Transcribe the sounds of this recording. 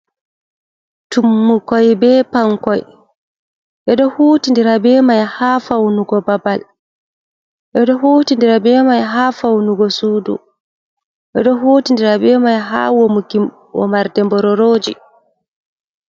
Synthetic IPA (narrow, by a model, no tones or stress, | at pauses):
tumːukɔjbɛːpaŋkɔj | ʔɛɗɔhuːtindiɾabɛːmajhaːfawnuɡɔbabal | ʔɛɗɔhoːtindiɾabɛːmajɦaːfawnuɡɔsuːdṵ | ʔɛ̰ɗɔɦoːtindiɾabɛːmajɦa̰womukim | wɔ̰maɾdɛmbɔɾɔɾoːd͡ʒi